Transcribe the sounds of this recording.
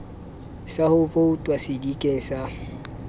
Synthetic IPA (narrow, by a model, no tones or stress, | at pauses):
sahʊfoʊtʼwasidikʼeŋ̩sa